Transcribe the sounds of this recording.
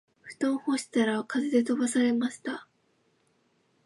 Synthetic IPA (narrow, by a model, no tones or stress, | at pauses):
ɸɯ̟̥t̪õ̞ɰ̃ho̞ɕi̥t̪aɾakazed̪e̞t̪o̞basaɾe̞maɕi̥t̪a